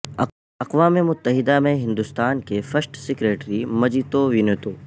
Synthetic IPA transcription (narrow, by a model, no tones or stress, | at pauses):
ɐqʋaːmemʊt̪ːəɦɪd̪amẽɦɪ̃nd̪ʊst̪aːnkefɐsʈsɪkɾeːʈɾimɐd͡ʒit̪oʋɪnet̪oː